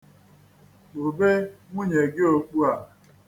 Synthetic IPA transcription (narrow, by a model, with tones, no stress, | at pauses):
o˨be˦ŋʷu˦ɲe˨ɡɪ˦o˨k͡pu˦a˨